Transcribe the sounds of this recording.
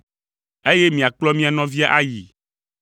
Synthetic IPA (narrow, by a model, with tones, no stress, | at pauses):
e˦je˦mĩ˨a˨k͡plɔ˦mĩ˦a˨nɔ̃˦vi˦a˦ʔa˦ji˨